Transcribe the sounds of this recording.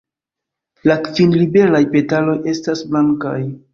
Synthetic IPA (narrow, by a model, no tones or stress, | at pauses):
lakvinlibe̞lajpe̞talo̞je̞stasblaŋka̰j